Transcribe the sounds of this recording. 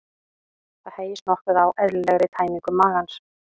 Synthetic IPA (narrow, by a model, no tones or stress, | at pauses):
θaðheːjɪsnɔhkʏðawʔɛðllɛɣɾɪt̪ʰaːjmiŋkʏmaːɣans